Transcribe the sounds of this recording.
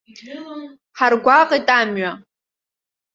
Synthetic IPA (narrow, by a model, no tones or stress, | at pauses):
ħarɡʷaqʼitʼamɥa